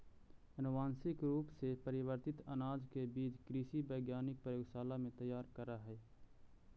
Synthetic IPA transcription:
ɐnʊwaːnsɪkɾuːpsepəɾɪwəɾt̪ɪt̪ɐnaːd͡ʒkebiːt͡ʃkɾiːsibəːɡjaːnɪk̚pɾəjoːɡsaːlamẽt̪əjaːɾkəɾaɦɛː

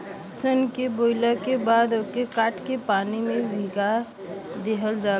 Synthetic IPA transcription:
sənkeboɪləkebaːd̪okekaːʈkepaːnimẽbʱiɡa | d̪eɦəld͡ʒaː

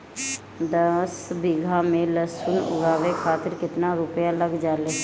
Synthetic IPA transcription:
d̪ɐsbɪɡʱamẽləsʊnʊ̰ɡaːʋekʰaːt̪ɪɾkɪt̪naɾʊpjalɐɡd͡ʒaːleː

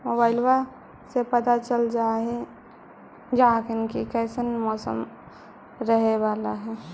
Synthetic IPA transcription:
mobaːɪlʋa | sepət̪at͡ʃəld͡ʒaɦɛ | d͡ʒaakɪnkikɛːsənmɔːsə̰m | ɾəɦeʋaːlaɦɛ

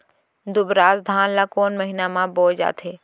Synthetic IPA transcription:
d̪ʊbɾaːzd̪ʱaːnlakoːnməɦɪnamãboːd͡ʒa̰ːt̪ʰɦeː

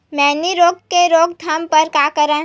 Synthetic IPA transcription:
mɛ̃ːniɾoːɡ̚keɾoːɡd̪ʱɐmpəɾkaːkəɾə̃

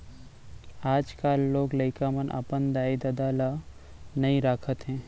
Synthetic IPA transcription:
aːd͡ʒkaːlːoːɡlɐɪkamənʔɐ̰pənd̪aːid̪ɐd̪aːla | nɐĩɾaːkʰət̪ɦɛ̃ː

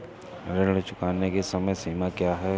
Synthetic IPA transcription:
ɾeɽt͡ʃʊkaːnːekesɐməjsiːmakjaːɦɛː

